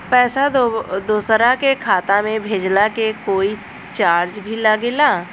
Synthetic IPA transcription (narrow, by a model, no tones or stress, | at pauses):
pɛːsad̪oːsɾakekʰaːt̪amẽbʱeːd͡ʒlakekoːi | t͡ʃaːɾd͡ʒbʱilaɡelaː